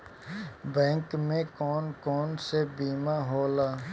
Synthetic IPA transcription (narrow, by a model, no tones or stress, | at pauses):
bɛ̃ːŋkmẽkɔːnkɔːnsebiːmaɦoːlaː